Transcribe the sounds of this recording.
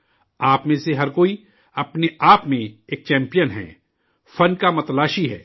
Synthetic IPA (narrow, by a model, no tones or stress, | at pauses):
aːpmẽseɦɐɾkoːi | ɐpneaːpmẽeːk̚t͡ʃɛ̃ːmpijənɦɛ̰ː | fɐnkamɐt̪əlaːʃiɦɛ̰ː